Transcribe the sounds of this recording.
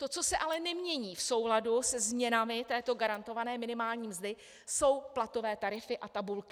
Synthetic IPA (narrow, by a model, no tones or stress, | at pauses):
t̪o̞t͡so̞sɛʔalɛnɛmɲɛɲiːfso̞wladusɛzmɲɛnamɪt̪ɛːt̪o̞ɡaɾant̪o̞vanɛːmɪnɪmaːlɲiːmzdɪ | so̞wplat̪o̞vɛːt̪aɾɪfɪʔat̪abulkɪ̥